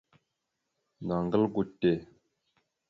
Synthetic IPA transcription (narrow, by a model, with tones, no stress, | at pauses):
na˨ŋɡə˦lɡu˦tːe˦˨